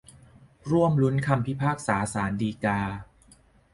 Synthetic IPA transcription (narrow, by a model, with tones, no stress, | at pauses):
ɾu˥˩əmlu˦˥nkʰa˧mpʰi˦˥pʰaː˥˩k̚saː˩˦saː˩˦ndiː˧kaː˧